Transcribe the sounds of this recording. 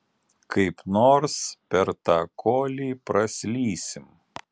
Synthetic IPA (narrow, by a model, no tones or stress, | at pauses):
kʰɐɪpnoːɾspʲɛɾt̪ɑːkʰoːlʲiːpɾɐsʲlʲiːsʲɪm